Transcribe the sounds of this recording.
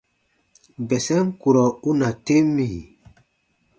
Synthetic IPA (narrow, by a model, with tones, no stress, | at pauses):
bɛ˨sɛ˦ŋ˦ku˨ɾɔ˨u˦na˨te˦mi˨